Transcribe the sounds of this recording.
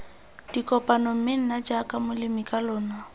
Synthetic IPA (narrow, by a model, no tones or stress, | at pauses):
d̥ikʼɔpʼanɔm̩mɪn̩nad͡ʒakʼamʊlɪmɪkʼalʊːna